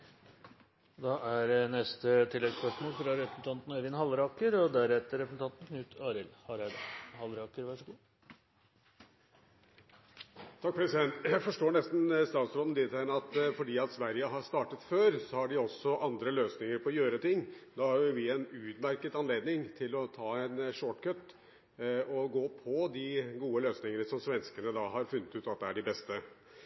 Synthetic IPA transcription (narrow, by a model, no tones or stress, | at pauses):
d̪ɑʔæɾnɛst̪ət̪ʰɪlːɛɡspœʂmoːlfɾɑɾɛpɾə̥sn̩t̪ʰɑnt̪nɛʋɪnhɑlɾɑːkəɾɔd̪æɾɛt̪ːəɾɛpɾəsn̩t̪ɑnt̪n̩kʰnʉːt̪ʰɑːɾɪlhɑɾd̪hɑlɾɑːkəɾʋæʂəɡuː | t̪ʰɑk̚ːpʰɾɛsɪd̪ɛnt̪jæɪfɔʂʈoːɳɛst̪n̩st̪ɑːt̪sɾoːd̪nd̪ɪt̪ʰænɑt̪fɔɖiːɑt̪sʋæɾjəɦɑɾʂt̪ɑːʈət̪føːɾsɔhɑɖɪɔsːɔʔɑnd̪ɾəløːsnɪŋəɾpʰɔɔjøːɾət̪ɪŋːd̪ɑːhɑɾjʊʋɪɛnʉːt̪mæɾkət̪ɑnleːd̪nɪŋt̪ʰɪlɔt̪ʰɑːɛnʂoːʈkʰœt̪ː | ɔɡoːpʰɔd̪ɪɡuːəløːsnɪŋənəsɔmsʋɛnskənəd̪ɑːɦɑɾfʉnːət̪ʉːt̪ɑt̪̚d̪ɛæɖɪbɛst̪ə